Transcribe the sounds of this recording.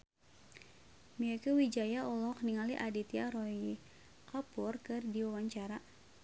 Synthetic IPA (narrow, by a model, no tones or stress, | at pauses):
miakəwid͡ʒajaɔlɔkniŋaliʔadit̪iaɾɔj | kapʊrkɨrdiwawaɲt͡ʃaɾa